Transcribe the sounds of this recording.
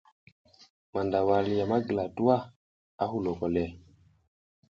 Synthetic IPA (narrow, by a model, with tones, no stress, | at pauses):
ma˨nda˨wa˨li˨ja˨ma˦ɡla˨tu˦wa˦ | a˦hu˨lo˨kɔ˨lɛ˨